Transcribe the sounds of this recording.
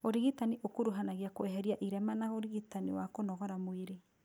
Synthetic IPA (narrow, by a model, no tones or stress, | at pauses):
oɾiɣitaniʔokoɾuɦanaɣiakoɛɦɛɾiaʔiɾɛmanaɣoɾiɣitaniwakonɔɣɔɾamweɾe